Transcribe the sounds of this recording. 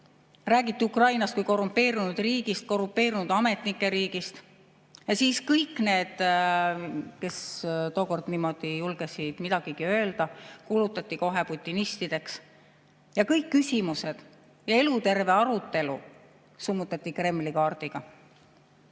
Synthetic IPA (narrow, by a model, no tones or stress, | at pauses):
ræːɡit̪ːˑiukrɑjnɑst̪kujko̞rumpːe̞ːɾunud̪̥riːɡ̥ist̪̚ko̞rumpːe̞ːɾinud̪̥ɑme̞t̪ˑnikːˑe̞ɾiːɡ̥ist̪ | jɑsiːskɤjkːˑne̞ːd̪̥ | ke̞st̪o̞ːko̞rd̪niːmo̞d̪̥ijulɡ̥esid̪̥mid̪̥ɑɡ̥iɡ̥iø̞ːld̪̥ɑkulut̪ːˑɑt̪ʲːˑiko̞ɦe̞put̪ʲˑːinist̪id̪̥e̞ks | jɑkɤjkːysʲimuse̞d̪̥ | jɑe̞lut̪e̞rve̞ɑɾut̪ːˑe̞lṵ | sumːut̪ːˑɑt̪ˑːikre̞mːlikɑːrd̪̥iɡ̥ɑ